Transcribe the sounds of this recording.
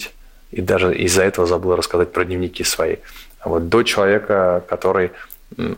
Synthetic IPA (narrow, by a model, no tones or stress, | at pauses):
tʲ | id̪aʐɨʔɪ̰zːɐɛt̪əvəzɐbɨlˠəɾəskɐzat̚ʲpɾədʲnʲɪvnʲɪkʲisvɐḭvo̞t̪̚d̪o̞t͡ɕɪlˠɐvʲe̞kəkɐt̪o̞ɾɨj̩